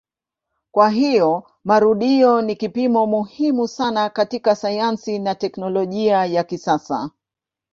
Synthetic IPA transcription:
kwaɦijɔ | maɾuɗiɔnikipimɔmuhimusanakatikasajansinatɛknɔlɔʄiajakisasa̰

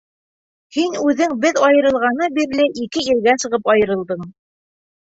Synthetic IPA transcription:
hinʉðɘŋbɘðɑjɤ̆ɾɤ̆lˠʁɑnɤbiɾlɘʔikɘiɾɡæsɤ̆ʁɤpɑjɤ̆ɾɤ̆lˠd̪ɤɴ

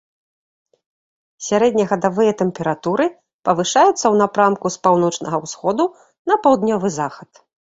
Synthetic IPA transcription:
sʲaɾɛd̪ʲnʲɐɣɐd̪avɨjɐt̪ɛmpʲɛɾat̪uɾɨ | pɐvɨʂajut̪sːɐwn̪apɾamkuspawn̪ɔt͡ʂnɐɣɐwsxɔd̪u | nɐpawd̪nʲɔvɨzaxɐt̪

